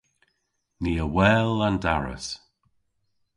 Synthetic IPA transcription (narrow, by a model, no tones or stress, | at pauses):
niːəwɛːlandaɹə̰s